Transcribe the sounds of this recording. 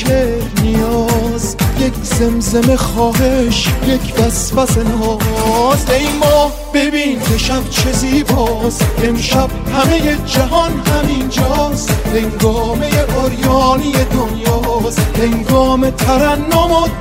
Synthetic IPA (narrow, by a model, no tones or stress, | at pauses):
e | nijɒːzje̞kʰz̥e̞mzeme̞xɒːɦe̞ʃje̞kʰd̪æsfæsenɒːzejmɒː | be̞biːnkʰe̞ʃæbt͡ʃʰeziːbɒːse̞mʃæb̥̚hæme̞je̞d͡ʒæɦɒnhæmind͡ʒɒːst̪heŋɡɒːme̞jeʔoɾjɒːnije̞d̪onjɒːshe̞ŋɡɒːme̞t̪ʰæɾænːomo